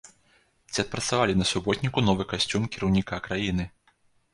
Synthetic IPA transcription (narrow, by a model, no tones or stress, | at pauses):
t͡sʲiɐt̪̚pɾɐt̪savalʲinɐsubɔt̪ʲnʲikunɔvɨkasʲt͡sʲumkʲiɾɐwnʲikakɾajinɨ